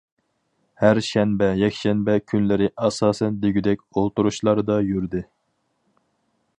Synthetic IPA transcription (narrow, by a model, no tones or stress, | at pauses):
hæɾʃɛnbɛjɛkʲʃɛnbɛkʲʰynlɪɾɪʔɑsɑːsɛnd̪eɡʲyd̪ɛkʲolˠt̪uɾuʃlˠɑɾɨd̪ɑjyɾd̪ɪ